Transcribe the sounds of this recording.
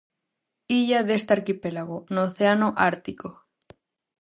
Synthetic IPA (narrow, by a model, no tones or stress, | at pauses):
iʎaðest̪aɾkipelaɣ̞onoːθeanoʔaɾt̪iko